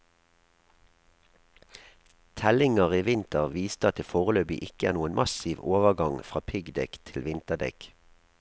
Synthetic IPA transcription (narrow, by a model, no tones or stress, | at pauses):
t̪ʰɛlɪŋəʁiːʋɪnt̪əʁʋiːst̪əɑt̪̚ɪlfoːʁəløːbɪ̰ʔɪkəæːʁnuːənmʔɑsiʋoːʋəɡɑŋfʁɑːpʰɪɡd̪ɛkt̪ʰɪlʋɪnt̪əd̪ɛ̰k